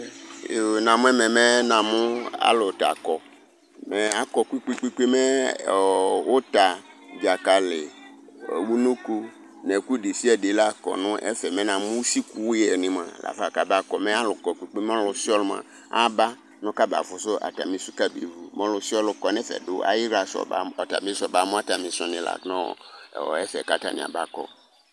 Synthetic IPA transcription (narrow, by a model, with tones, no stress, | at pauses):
nã˨mũ˦ɛ˦mɛ̃˨mɛ˦nã˨mũ˦a̰˦lo˨t̪a̰˨kɔ˨ | mɛ˨a˦kɔ˨kʷi˦k͡pi˦k͡pi˦k͡pe˦mɛ˦˨ | wo˦t̪a˨ | d͡ʒa˨ka˨lɪ˨ | wu˦nũ˦ko˦ | nɛ˨ku˦ɖi˨si˦ɛ˨de˨la˦kɔ̰˨nʊ̃˦ʔɛ̰˦fɛ˨mɛ̃˦nã˨mũ˦si˦ku˦wɛ˨nɪ̃˨m˨ã̰˨la̰˨fa˨ka˨ba˦kɔ˨mɛ̃˦a˦lʊ˨kɔ˨k͡pu˨k͡pe˦mɔ̃˦lʊ˨si˦ɔ˦lmã̰˨ | a˦ba˦ | nʊ̃˦ka˦ba̰˨fʊ˨sʊ˦a̰˨ta̰˨mĩ˦su˦ka˦be˨vu˦mɔ̃˦lʊ˨si˦ɔ˦lʊ˨kɔ˨nɛ̃˦fɛ̰˨dʊ˦a̰˨ji˦ɾa˨sɔ̰˨ba̰˨ɔ˨ta̰˨mĩ˦sɔ˨ba˨mʊ̃˦a˦ta˨mĩ˨sʊ̃˨nɪ̃˨la̰˨nɔ̰̃˦˨ɛ˦fɛ̰˨ka˦ta̰˦˨nɪ̰̃˨a̰˨ba˦kɔ̰˨